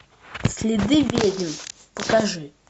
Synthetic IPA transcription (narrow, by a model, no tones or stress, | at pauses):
sʲlʲɪd̪ɨvʲedʲɪm | pəkaʐɨ